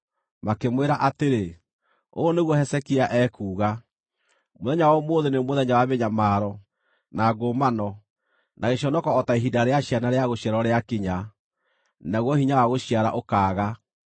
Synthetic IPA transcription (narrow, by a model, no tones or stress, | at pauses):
makemweɾaʔateɾe | oneɣwɔhɛsɛkiaʔɛːkuːɣa | moðɛɲawɔmoðenemoðɛɲawaβeɲamaːɾɔ | naɡomanɔ | naɣeɕɔnɔkɔːtaiɦidaɾeaɕianaɾeaɣoɕiaɾɔɾeakiɲa | naɣwɔhiɲawaɣoɕiaɾa̰ʔokaːɣa